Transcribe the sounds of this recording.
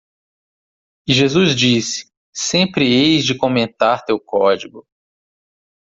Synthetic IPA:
ɪʒezuzd͡ʒisɪ̥ | sẽmpɾɪejzd͡ʒɪkõmẽnt̪aɾt̪ewkɔd͡ʒiɡʊ

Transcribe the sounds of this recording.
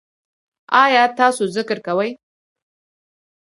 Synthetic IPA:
ɑjɑt̪ɑsozɪkɾkawəj

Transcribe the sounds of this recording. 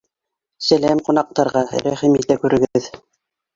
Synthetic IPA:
sælæmqunɑq̚t̪ɑɾʁɑɾæχimit̪ækʉɾɘ̆ɡɘð

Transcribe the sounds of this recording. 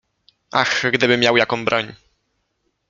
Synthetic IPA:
ʔa̰xɡd̪ɘbɘmʲjawjakɔ̃w̃bɾʔɔɲ

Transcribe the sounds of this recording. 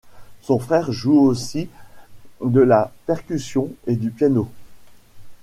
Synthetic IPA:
sɔ̃fχɛʁʒuosi | d̪əlapɛʁkʲysjɔ̃ed̪ypjano

